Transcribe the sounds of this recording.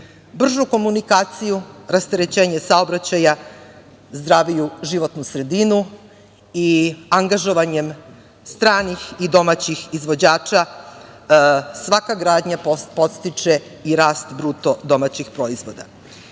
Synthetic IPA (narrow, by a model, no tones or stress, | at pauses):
br̩ʒuko̞munikaːt̪sijuɾast̪eɾe̞t͡ɕe̞ːɲe̞sao̞bɾat͡ɕaja | zd̪ɾaʋijuʒiʋo̞t̪nusɾe̞d̪inu | iaŋɡaʒo̞ʋaɲe̞m | st̪ɾaːnixid̪o̞mat͡ɕixizʋo̞d͡ʑaːt͡ʃa | sʋakaɡɾaːd̪ɲapo̞t̪st̪it͡ʂe | iɾaːst̪bɾuːt̪o̞d̪o̞mat͡ɕixpɾo̞izʋo̞d̪a̰